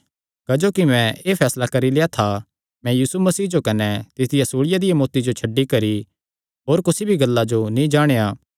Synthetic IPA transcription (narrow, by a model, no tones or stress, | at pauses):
kɐd͡ʒoːkimɛ̃eːpʰɛːslakɐɾileːjat̪ʰa | mɛ̃jiːsumɐsiːd͡ʒokɐnɛt̪ɪt̪ʰɪjasuːɽɪjad̪ɪjamoːt̪id͡ʒot͡ʃʰɐɖikɐɾi | ɦoːɾkʊsibʱiɡɐlːad͡ʒonĩd͡ʒaːɽ̃ejaː